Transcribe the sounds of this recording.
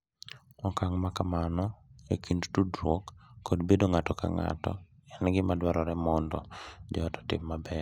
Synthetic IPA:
ɔkaŋmakamanɔekindtudɾokːɔdbedoŋatɔka̰ŋa̰tɔ̰ | ɛnɡɪmadwaɾɔɾɛmɔndɔ̰d͡ʒɔɔtɔ̥tɪ̰mːabɛɾ

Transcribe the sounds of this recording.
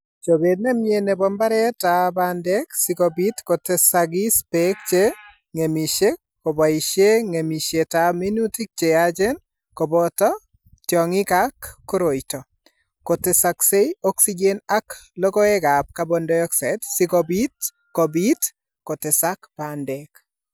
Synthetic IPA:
t͡ʃobednemjenebɔmbaɾɛtabandɛksɪkɔbitkotesaɡispek̚t͡ʃe | ŋemiʃe | kobaiʃeŋemiʃjetaminutik̚t͡ʃead͡ʒɛn | kɔbɔtɔ | tjɔŋɪkakːoɾoitɔ | kotesaksejɔksid͡ʒenaklɔkɔɛɡap̚kabɔndɔjɔksatsɪkɔbit | kɔbit | kotɪsakbandɛk

